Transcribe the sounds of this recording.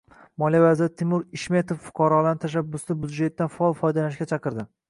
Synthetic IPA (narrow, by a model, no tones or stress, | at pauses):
mɒlijavazɪɾɪt̪ʰɪmʊɾɪʃme̞t̪ʰofːʊ̥qʰɑɾɒlˠanɪt̪ʰaʃ̬abːʊst̪ɪbʊd̪d͡ʒe̞t̪ːanfaɒlˠfɒjd̪alanɪʃkʲat͡ʃʰɑqɨɾd̪ɪ